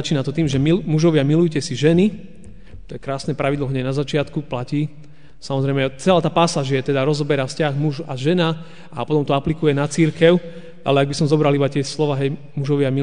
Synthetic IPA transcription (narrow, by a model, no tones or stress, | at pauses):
at͡ʃiːnat̪ɔt̪iːmʒɛmimuʒɔʋɪamilujcɛsiʒɛni | t̪ɔɛkɾaːsnɛpɾaʋid̪lɔɦɲɛnazat͡ʃɪat̪kuplaciː | samɔzɾɛɪmɛt͡sɛlaːt̪aːpasaːʒɪɛt̪ɛd̪aɾɔzɔbɛɾafscaɣmuʒaʒɛna | ʔa̰pɔt̪ɔmt̪ɔaplikujɛnat͡siɾkɛʊ | ʔa̰lɛaɡbisɔmzɔbɾalibat̪ɛslɔʋaːɦɛj | muʒɔʋɪami